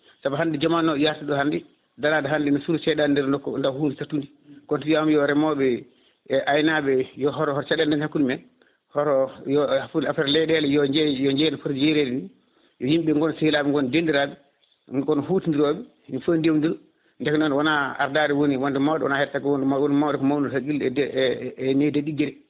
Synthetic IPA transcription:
sabaɦandid͡ʒamanːɔjaɾtiɗɔhandi | daladɔɦandinɔsuɾut͡ʃɛɗandɛɾndɔkːɔ̰ndahuːndisatːundi | kɔntijamjɔɾɛmɔbɛ | ʔajnabɛjɔɦɔɾhɔɾɔt͡ʃɛɗɛndɛnhakːulmɛ | hɔɾɔjɔafuafɛɾlɛɗɛlɛjɔd͡ʒɛjɔɲd͡ʒɛnfəɾjeɾɛdɛni | jɔjimɓɛŋɡɔnsihilaɓɛŋɡɔndendiɾabɛ | ɡɔnɔhutindiɾɔɓɛ | nfondewndiɾu | ndɛknɔnwanaa̰ɾdaːɾɛwoniwɔndɛmawdɛwɔ̰nahɛtakwɔndɛwnmawdɛkɔmawnuhaɡilɛɛɛnedaɗiɡɛɾɛ

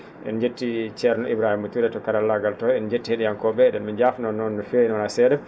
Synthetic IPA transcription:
ʔɛ̰nd͡ʒetːit͡ʃɛɾnɔʔibɾahimːutuɾɛtɔkaɾalːaɡaltɔɛnd͡ʒetːiheɗijankɔɓɛɗɛnmid͡ʒafnɔnɔnːɔfeinɔnasɛdɛ

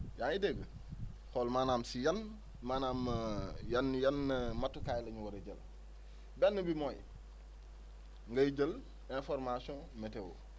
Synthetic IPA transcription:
jaːnidɛɡə | xɔlmaːnaːmsijɐn | manaːmjɐnjɐnːmatːukajlɐɲuwɐɾeɟəl | bɛnːəbimoːj | ŋɡəɟəl | ẽnfɔɾmasiɔ̃ | mɛtɛwo̰

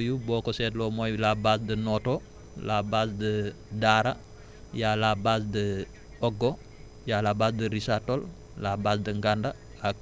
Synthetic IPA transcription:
jubɔːkosɛːtlɔmojlabaːs̬dənoto | labaːsdə | daːɾa | jalabaːsdə | ɔɡo | jaːlabaːsdəɾisatol | laːbaːsdəŋɡanda | la

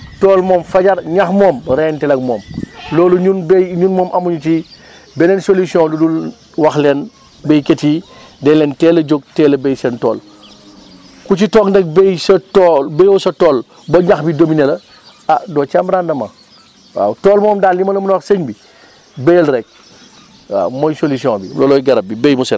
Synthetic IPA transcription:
tɔːlmɔːmfɐɟɐɾɲɐxmɔːmɾɛntɛlɐɡmɔːmlɔːluɲunbɛɲunmɔːmʔɐmuɲuti | bɛnɛːnsolusiɔ̃ludul | wɐxlɛn | bɛjketiːdɛlɛntɛːlɐd͡ʒoɡ̚tɛːlɐbɛjsɛntɔ̰ːl | kut͡ʃitɔːŋndɛk̚bɛjsɐtɔlbɛjɔsɐtɔːl | bɐɲɐxbidominɛlɐ | adɔːt͡ʃambɾandɐmɐ̰ | a̰tɔːlmɔːmdaːlimɐlɐmunɔseɲbi | bɛjɐlɾɛk̚ | a̰mɔjsolusiɔ̃bilɔːlɔjɡɐɾɐb̚bibɛjmusɛn

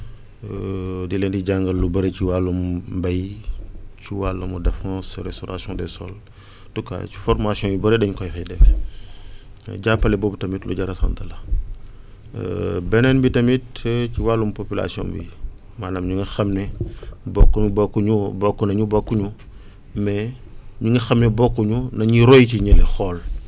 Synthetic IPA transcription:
dilɛndiɟaŋɡɐlːubɐɾeciwalːumbɐj | t͡ʃuwalːɐmudɛfãsɾɛstɔɾʔa̰sjɔ̃ndɛsɔ̰l | tukːa̰t͡ʃu̥fɔɾmasjɔ̃jubɐɾedɛɲkɔjxɛdɛk | ɟapːɐlɛbobutɐmitlṵɟɐɾɐsa̰ndɐlɐ | bɛnɛnbitɐmit̚ɛciwalːumupopila̰siɔ̰̃nbḭ | maːnamɲuŋɡɐxɐmnɛbɔkːuubɔkːuɲubɔkːunɐɲubɔkːuɲu | mɛɲuŋɡɐxɐmnɛbɔkːuɲunɐɲiɾɔjciɲɛlɛxɔːl

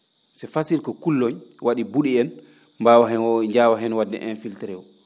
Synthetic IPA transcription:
sɛfasiɾkɔkulːɔɲwaɗibuɗiɛn | mbawaɦɛɲd͡ʒaːwaɦɛnwadːɛ̰ʔɛnfiltɛɾɛwɔ

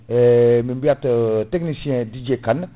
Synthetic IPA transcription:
ɛmimbiatteknisiɛ̃did͡ʒekan

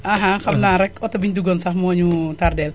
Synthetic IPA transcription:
aɦãkamnaɾɛkɔt̪ɔbint̪uɡɔnsahmɔɲut̪ardɛl

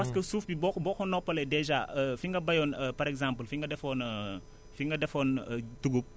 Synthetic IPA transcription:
pɐskɐsuːfbibɔbɔːkɔnɔpːɐlɛdɛʒaəfiŋɡɐbɐjɔnəpɐɾɛkzãmpəlfiŋɡɐdɛfɔːnə | fiŋɡɐdɛfɔntuɡup̚

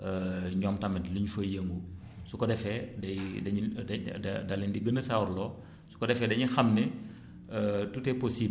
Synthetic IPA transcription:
əɲɔmtɐmɛtluɲfəjəŋɡu | sukɔdɛfɛdɐjdɐɲ | dɐlːindiɡənəsawɾlɔ | su̥kɔdɛfɛdɐɲixɐmnɛ | tutɛpɔsiːb

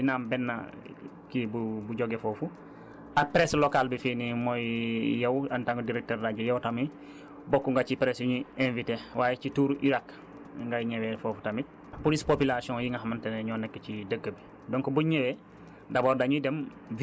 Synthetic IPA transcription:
dinaːmbɛnːa̰ | kibubuɟoɡefoːfu | apɾeslokalbifiːnimojjɐwantaŋɡudiɾek̚teɾdaɟujowtami | bokːuŋɡat͡ʃipɾesuɲiẽnvitewaːjet͡ʃituːɾiɾak | ŋɡaɲewefofu̥tamit̚ | polispopilasiõŋjiŋɡaɦamanteneɲɔːnekːecidəɡːəbi | doŋkobuɲewe | daboːɾdaɲidem | v

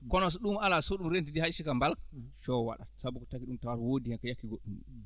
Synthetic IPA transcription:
kɔnɔsɔɗumalasoɗumɾentidihaʃikambalʃɔwa̰ɗasabukɔtakiɗumtawaɾwodijankajakːiɡoɗːum

